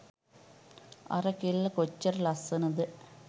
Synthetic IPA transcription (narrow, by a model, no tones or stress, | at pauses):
ɐ̰rɐkilːɐkot͡ɕːɐrlɐsɐnɐðɨ